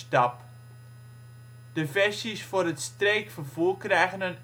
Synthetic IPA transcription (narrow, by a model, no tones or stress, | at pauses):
tɑp | d̥əfɛrsisfʊːɾətstreːkfərvuːkrɛjɣənən